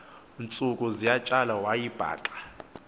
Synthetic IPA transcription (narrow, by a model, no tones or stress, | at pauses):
nt͡sʼukʼuzijat͡ʃʼalawajib̥ʱa̰ːǃḁ